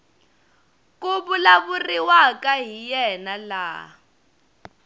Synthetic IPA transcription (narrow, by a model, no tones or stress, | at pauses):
kuβulaβuriwakʼaɦijɛnala̰